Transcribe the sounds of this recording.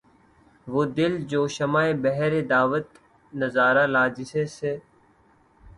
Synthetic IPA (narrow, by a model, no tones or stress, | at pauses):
ʋoːd̪ɪld͡ʒoːʃəmaːebəɦɾeːd̪aːʋət̪ | nəzaːɾaːlaːd͡ʒɪseːseː